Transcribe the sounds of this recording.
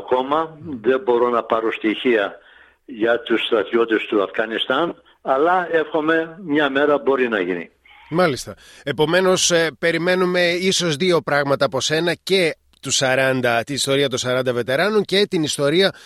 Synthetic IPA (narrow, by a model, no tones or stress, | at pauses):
ɐko̞mɐðe̞bo̞ɾo̞nɐpɐɾost̪içiɐ | ʝɐt̪ust̪ɾɐt̪io̞t̪est̪uɐfɣɐnist̪ɐn | ɐlɐe̞fxo̞me̞mɲɐme̞ɾɐbo̞ɾinɐʝinḭ | mɐlist̪ɐ | e̞po̞me̞no̞spe̞ɾime̞nume̞iso̞zðio̞pɾɐɣmɐt̪ɐɐpo̞se̞nɐce̞ | t̪usɐɾɐnd̪ɐt̪inist̪o̞ɾiɐt̪osɐɾɐnd̪ɐve̞t̪e̞ɾɐnoɲce̞t̪inist̪o̞ɾiɐ